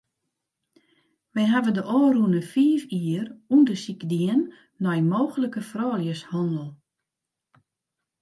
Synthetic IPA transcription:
ʋɛjɦavəndəʔoːrunəfiːfiərundəsikdiənː | ɔjmoːxələkəfrɔːljəshɔndəlˠ

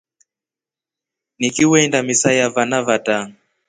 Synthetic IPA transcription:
nikiwɛindamisajavanavataŋ

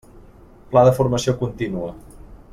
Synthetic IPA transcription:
plaðəfuɾməsiokunt̪inuə

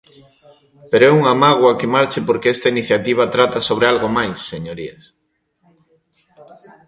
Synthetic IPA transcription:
peɾoɛuŋamaɣ̞wakemaɾt͡ʃɪpoɾkeɛst̪ainiθjat̪iβ̞at̪ɾat̪asoβɾealɣomajsːeɲoɾiḛs

